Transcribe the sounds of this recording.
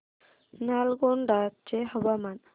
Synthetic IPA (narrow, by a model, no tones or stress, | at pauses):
nalɡoɳɖat̪̚t͡ʃeɦəbaman